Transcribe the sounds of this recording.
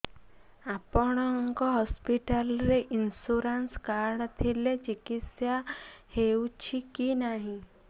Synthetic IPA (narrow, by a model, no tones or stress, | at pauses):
apəɽ̃ŋkoɦɔspiʈəlɾeʔinsuɾənskaɾɽt̪ʰilet͡ʃikitsjaheut͡ʃʰikinaɦĩ